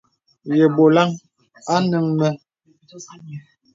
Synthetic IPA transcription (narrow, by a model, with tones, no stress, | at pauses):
je˨bo˨la˦ŋ | a˦nə˦ŋmɛ˦